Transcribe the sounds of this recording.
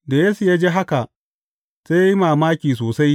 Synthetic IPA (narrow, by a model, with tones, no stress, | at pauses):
da˨jeː˦su˨jaː˦d͡ʒeː˦ɦa˦ka˨ʔ | se˦ja˦ji˦maː˨maː˦kʲiː˨s̬oː˨sa˦j